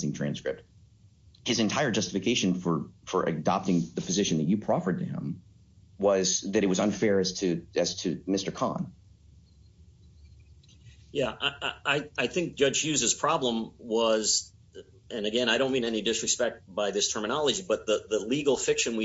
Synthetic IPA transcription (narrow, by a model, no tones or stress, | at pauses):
zɪ̃ŋtʰɹ̥æ̰̃nskɹ̥ɪp̚t̚ | hɨzɨ̃ntʰaɪə˞d͡ʒʌstəfɨkʰeɪʃɨ̃nfə˞fə˞ʔɨ̰dɑ̰p̚tɪ̃ŋðɨpʰɨzɪʃn̩ðɨt͡ʃɨpʰɹ̥ɑfə˞d̚tʰɨɪ̰̃m | wʌzðɨɾɨt̚wʌzə̃nfɛɹɨz̥tʰɨɨz̥tʰɨmɪstə˞kʰɑ̰̃n | jæʔɪʔaɪaɪθɪ̃ŋk̚d̥ʒ̥ʌd͡ʒjʉzɨz̥pʰɹ̥ɑblə̃mwʌz | ɨ̃nɨɡɛ̃ñaɪɾõʊ̃nmĩnɛnidɨsɹɨspɛk̚t̚b̥aɪðɪstʰɜ˞mɨnɑlˠəd͡ʒibʌt̪̚ðəðəliɡl̩ˠfɪkʃɨ̃nwi